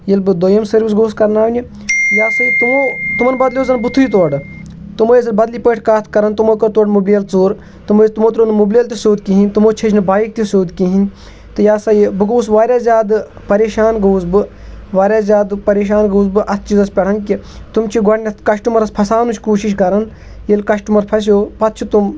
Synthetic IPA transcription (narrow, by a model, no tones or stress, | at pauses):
jilbɨd̪ojɐmsɐɾbisɡoːskɐɾnaːʋnʲi | jaːsɐit̪umoːt̪umɐnbɐd̪lʲjoːzɐnbut̪ʰːuit̪̬oːɖɨ | t̪umojɐzɐlbɐd̪lipəːʈʰkaːt̪ʰkɐɾɐnt̪umokoɾt̪oːɖmublijɐlt͡suːɾ | t̪umt̪umoːt̪ɾonmublʲiɐlt̪ʲisoːd̪̚kiɦinʲt̪umoːt͡ʃʰed͡ʒnɨbaːjik̚t̪ʲisoːd̪kiɦinʲ | t̪ɨjaːsɐibɨɡoːs̬ʋaːɾʲjaːzʲjaːd̪ | pɐɾeːʃaːnɡɐwzbɨ | ʋaːɾʲaːzʲjaːd̪pɐɾeːʃ̬aːnɡɐwzbɨʔɐt̪ʰt͡ʃizɐspʲɐɽ̤ʰɐnkit̪umt͡ʃʰiɡɐɽnʲɐkɐʃʈumɐɾɐspʰɐsaːnut͡ʃʰʲkuːʃiʃ̬kɐɾɐn | jelkɐʃʈumɐɾpʰɐs̬ʲjoːpɐt̪̚ʰt͡ʃʰut̪um